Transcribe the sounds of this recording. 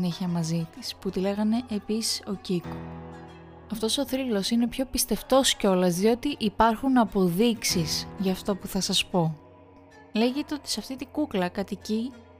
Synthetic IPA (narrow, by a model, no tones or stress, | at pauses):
neçiɐmɐzit̪isput̪ile̞ɣɐne̞ʔepisi̥so̞ciko | ɐft̪o̞so̞θɾilo̞sine̞pço̞pist̪e̞ft̪o̞sceo̞lɐzðio̞t̪iʔipɐɾxunɐpo̞ðiksisʝɐːft̪o̞puθɐsɐspo̞ | le̞ʝe̞t̪eo̞t̪i̥seɐft̪it̪iɡuklɐkɐt̪ici